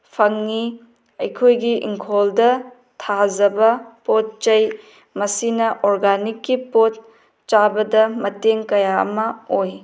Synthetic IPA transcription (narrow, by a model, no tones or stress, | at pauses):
pʰɐŋni | ɐjkʰojɡiḭŋkʰoldɐ | tʰazɐbɐpot̚t͡ʃɐj | mɐsinɐʔoɾɡanikːipot̚ | t͡ʃabɐdɐmɐteŋkɐjaɐ̰mɐoj